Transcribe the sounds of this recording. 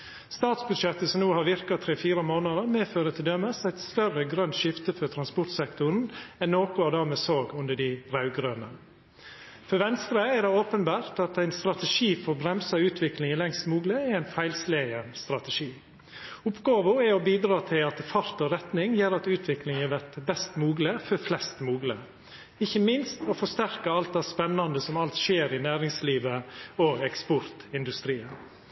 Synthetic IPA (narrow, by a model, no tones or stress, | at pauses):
st̪ɑːt̪sbʉd̪ʃɛt̪ːəsɔmnuːhɑɾʋɪɾkɑt̪ʰɾɛfiːɾəmoːnɑd̪əɾmeːføːɾət̪ʰɪld̪œməsæɪt̪st̪œrəɡɾœnt̪ʃɪft̪əfɔt̪ʰɾɑnspʊɾt̪sɛkt̪ʊɾn̩ɛnːoːkʊɑd̪ɑːmeːsoːɡʉnd̪əɖɪɾɑʉɡɾøːnə | fɔɾʋɛnst̪ɾəæd̪ɛoːpənbæːɾt̪ɑt̪æɪnst̪ɾɑt̪əʂiːfɔɾbɾɛmsɑʉːt̪ʰʋɪklɪŋəlɛŋst̪muːɡləːæɪnfæɪlsleəst̪ɾɑt̪əʂiː | ʊpɡɑːʋʊɛɔbiːd̪ɾɑːt̪ʰɪlɑt̪fɑɾt̪ɔɾɛt̪nɪŋjeːɾɑt̪ʉːt̪ʰʋɪklɪŋɛʋæɾt̪bɛst̪muːɡləfɔflɛst̪muːɡlə | ɪçːəmɪnst̪ɔfɔʂt̪æɾkəɑlt̪̚d̪æspɛnːɑnd̪əsɔmɑlt̪ʃeːɾɪnæːɾɪŋsliːʋəɔɛkspɔɾt̪ɪnd̪ʉst̪ɾiːən